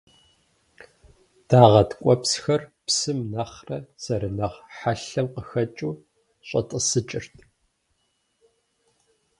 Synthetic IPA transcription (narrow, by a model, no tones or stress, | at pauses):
d̥aːʁɐtkʷʼɔpsxɐrpsɨmnɐχrɐz̥ɐɾɨnɐʁħaɬɐmqəxɐt͡ʃʼuː | ɕʼɐ̰tʼəsɨt͡ʃʼɪrtʰ